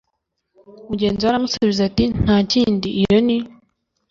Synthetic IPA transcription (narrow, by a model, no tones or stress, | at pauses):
umuɟe̞ːnziwaɾamusuβizatin̥haːciːndiʔːjoni